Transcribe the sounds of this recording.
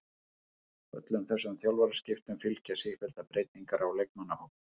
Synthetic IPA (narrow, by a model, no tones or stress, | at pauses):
œ̰t̪lʏmθɛsːʏmθjawlvaɾaɾ̥scɪft̪ʏmfɪlcasifɛlt̪apɾeːjt̪niŋkaɾʔawlejk̚manahowk̪̚